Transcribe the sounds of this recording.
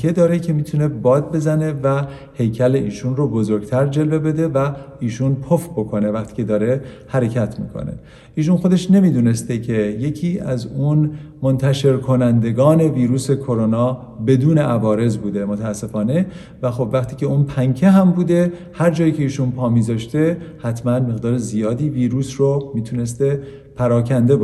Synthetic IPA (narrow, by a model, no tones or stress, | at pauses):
e̞d̪ɒːɾecʰe̞miːt̪ʰune̞bɒːd̪̚be̞zæne̞væ | he̞jcʰæle̞ʔiːʃunrobo̞zo̞ɾɡt̪ʰæɾd͡ʒe̞lve̞be̞d̪e̞væ | iːʃunpʰofbo̞kʰo̞ne̞væχt̪ʰiːcʰe̞d̪ɒːɾe | hæɾe̞cʰæt̪ʰmḭːkʰo̰nḛ | iːʃ̬unxo̞d̪e̞ʃne̞miːd̪uːne̞st̪e̞cʰe̞je̞cʰiːæzun | mont̪ʰæʃe̞ɾkʰo̞nænd̪e̞ɡɒːne̞viːɾuːse̞kʰo̞ɾo̞nɒː | be̞d̪uːneʔævɒːɾe̞zbuːd̪e̞mot̪ʰææsːe̞fɒːne̞ | væxo̞bvæχt̪ʰiːce̞uːnpʰæŋcʰeɦæmbuːd̪e̞ | hæɾd͡ʒɒːjiːce̞iːʃunpʰɒːmiːzɒːʃt̪e̞hæt̪ʰmænme̞ɣd̪ɒːɾezijɒːd̪iːviːɾuːsromiːt̪ʰune̞st̪e̞ | pʰæɾɒːcʰænd̪e̞b